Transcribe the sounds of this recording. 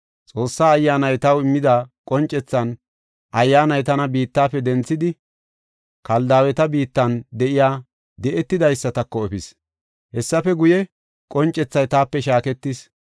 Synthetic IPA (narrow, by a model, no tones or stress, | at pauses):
t͡sʼo̞ːsːaːɐjːaːnɐjt̪ɐwɪmːɪd̪aːkʼɔnt͡ʃʼːɛt͡sːɐn | ʔɐjːaːnɐjt̪ɐnɐbiːt̪ːaːpːɛd̪ɛnt͡sːɪd̪ɪ | kɐld̪aːwɛt̪ɐbiːt̪ːɐnd̪ɛʔɪjaː | d̪ɛʔɛt̪ːɪd̪ɐjsːɐt̪ɐkːɔɛfɪs | hɛsːɐfɛɡʊjɛ | kʼɔnt͡ʃʼːɛt͡sːɐjt̪aːpːɛʃaːkɛt̪ːis